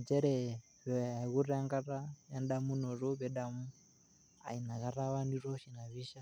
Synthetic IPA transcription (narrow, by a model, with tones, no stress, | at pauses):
d͡ʒɛ˦ɾɛ˨ | βɛa˨ɣu˦ɾɛ˦a˦ŋɡa˦ɾa˦ja˦nɗa˦mu˦nɔ˨rɔ˦βɛ˦ɗa˦mu˦ | a̰˨i˨na˨ɣa˦ɾa˦βa˦ndi˦rɔ˦ʃi˨na˨βi˦ʃa˦